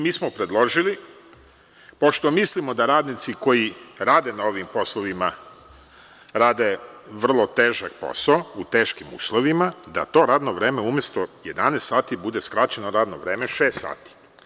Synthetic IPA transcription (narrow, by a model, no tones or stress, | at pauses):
miːsmopɾe̞d̪lˠo̞ʒili | po̞ʃt̪o̞mislimo̞d̪aɾaːd̪nit̪siko̞jiɾaːd̪e̞nao̞ʋimpo̞slˠoʋima | ɾaːd̪e̞ʋr̩lˠo̞t̪eːʒak̚po̞̰saout̪e̞ːʃkimṵːslˠoʋimad̪a̰t̪o̞ɾaːd̪no̞ʋɾeːme̞umjest̪oje̞d̪anest̪saːt̪ibud̪e̞skɾat͡ɕe̞noɾaːd̪noʋɾe̞ːme̞ʃeːst̪sa̰ːt̪i̥